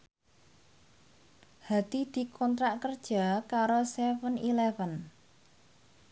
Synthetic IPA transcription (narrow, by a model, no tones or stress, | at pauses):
had̪̥id̪̥i̤kʰɔnt̪ɾaʔkərd̥ʒ̥a̤kaɾosɛfənilɛfən